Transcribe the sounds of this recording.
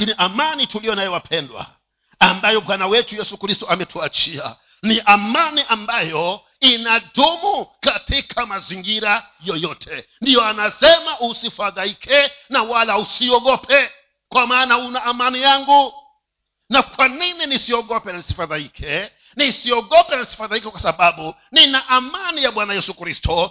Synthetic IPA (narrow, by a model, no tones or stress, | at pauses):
kiniʔamanitulijɔnajɔwapʰɛndwa̰ | ambajɔɓwanawɛtujɛsukɾistɔamɛtʰuat͡ʃia̰ | niʔamaniʔambajɔ | inaɗumukatikʰamaziŋɡiɾa | jɔjɔtʰɛndijɔanasɛmausifaðaikʰɛnawalausiɔɠɔpʰɛ | kwamaːnaunaːmanijaŋɡu | nakwanininisiɔɠɔpɛnanisi̥faðaikʰɛ | nisiɔɠɔpɛnanisi̥faðaikɛkwasaɓaɓu | ninaʔamanijaɓwanajɛsukɾistʰɔ